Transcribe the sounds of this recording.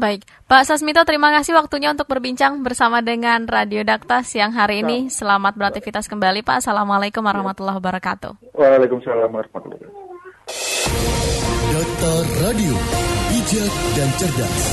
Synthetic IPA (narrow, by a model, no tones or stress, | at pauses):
baɪk̚ | paʔsas̬mit̪̬ɔt̪əɾimakasɪhwak̚t̪uɲaunt̪ʊk̚bərbiɲt͡ʃaŋbərsamadəŋanradiodak̚t̪arsijaŋɦaɾiːnisəlamat̪̚bəɾak̚t̪ifit̪askəmbalipa̰ʔsalamalakumwaɾahmat̪ulːaɦwabaɾakat̪ṵ | wʔalakumsalamrhmat̪ulɔ̰ka | dɔk̚t̪arːadiobid͡ʒak̚dant͡ʃərda̰s